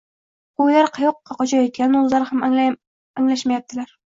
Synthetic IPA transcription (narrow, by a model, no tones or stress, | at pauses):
olaɾqʰɑjɒqːɑqɒt͡ʃʰajɒt̪̚kʲanɪʊzlaɾɪham | aŋlaʃmajap̚t̪ʰɪlaɾ